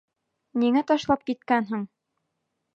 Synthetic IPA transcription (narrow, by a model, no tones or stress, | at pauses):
niŋæt̪ɒʃlˠɑp̚kit̪kænɦɘŋ